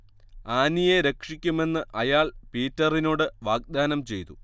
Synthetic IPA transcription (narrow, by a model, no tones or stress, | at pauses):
aːnije̞ɾe̞kʂikʲːume̞nːɨʔɐjaːɭpiːtːɐrinoːɽɨʋaːɡ̚d̪aːnɐmt͡ɕe̞jt̪u